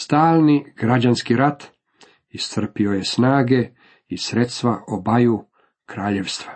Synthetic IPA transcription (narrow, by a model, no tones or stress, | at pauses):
st̪aːlˠniɡ̥ɾad͡ʑanskiɾat̪ | ist̪r̩pio̞je̞snaːɡe̞ | isɾe̞t̪st̪ʋaʔobaju | kɾaːʎeʋst̪ʋa